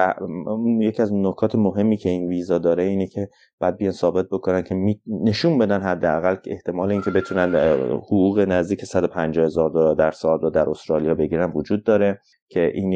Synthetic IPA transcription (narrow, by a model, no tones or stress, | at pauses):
æunjecʰiæznokʰɒːt̪ʰemoɦe̞mːiːcʰe̞inviːzɒːd̪ɒːɾeiːnecʰe̞ | b̥æd̪̚bejɒnsɒːbe̞t̪̚bo̞kʰo̞næncʰe̞mine̞ʃuːmbe̞d̪ænɦæd̪ːeæɣæle̞ht̪ʰe̞mɒːleiːncʲʰe̞be̞t̪ʰunænhoɣuːɣenæzd̪iːcʰe̞sæd̪o̞pʰænd͡ʒɒːhe̞zɒːɾd̪od̪æɾsɒːd̪ɾɔd̪æɾost̪ɾɒːlijɒːbe̞ɟiːɾænvod͡ʒuːd̪̚ːɒːɾe̞ | cʰe̞ʔiːn